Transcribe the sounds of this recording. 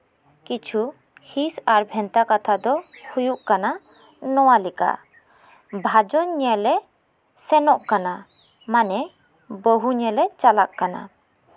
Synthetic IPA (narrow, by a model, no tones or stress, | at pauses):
kit͡ʃʰu | hisaɾbʱɛnt̪akat̪ʰad̪ɔhujuʔkana | nɔwalɛka̰ʔ | bʱad͡ʒɔɲɛlɛ | sɛnɔʔkana | manɛ | bəɦuɲɛlɛt͡ʃalaʔkana̰